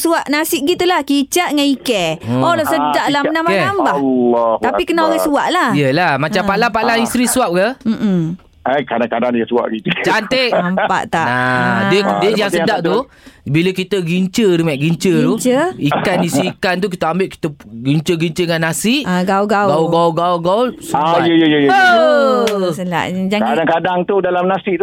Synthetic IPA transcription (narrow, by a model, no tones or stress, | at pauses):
suaʔnasɪʔ̚ɡit̪ulahkit͡ʃaʔŋanikɛolosədaʔlahənamenambalht̪apikənaoɣasuaʔlaijəlahmat͡ʃampaʔlapalaist̪ɾisuap̚kəm̩ʔm̩ | akadaŋkadanjasua̰ʔɡit̪ut͡ʃant̪eʔamppa̰ʔt̪aʔaədiəjaŋsədaʔt̪u | biləkit̪əɡiɲt͡ʃəɾumaʔɡiɲt͡ʃət̪ut͡ʃəikanisiikant̪̬uk̬it̪əambɪʔki̥t̪əɡiɲt͡ʃəɡiɲt͡ʃəŋanːasɪʔaɡauɡaɡauɡauɡauɡausuaajəjəjəjə | səla̰ʔd͡ʒakadaŋkadaŋt̪udalamnasɪʔt̪u